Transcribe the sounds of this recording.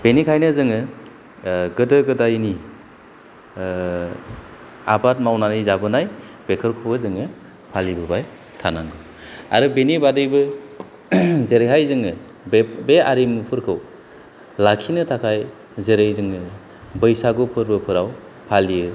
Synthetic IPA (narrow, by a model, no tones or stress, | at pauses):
b̥enikʰajnɯzɯŋɯ | ɡɯdɯɡɯdajni | a̰bat̚mawnanizabɯnaj | b̥ekʰɯɾkʰubɯzɯŋɯ | pʰalibɯbaj | tʰanaŋɡɯ | a̰ɾɯbenibadɯjbɯ | zeɾejɦajzɯŋɯ | beaɾimupʰɯɾkʰɯw | lakʰinɯtʰakʰaj | zeɾɯjzɯŋɯ | bɯjsaɡupʰɯɾbɯpʰɯɾaw | pʰaliɯ